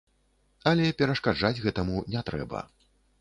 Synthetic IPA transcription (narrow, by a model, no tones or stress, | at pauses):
ɐlʲɛpʲɛɾɐʂkad͡ʐad͡zʲɣɛt̪ɐmunʲɛt̪ɾɛ̰bɐ̰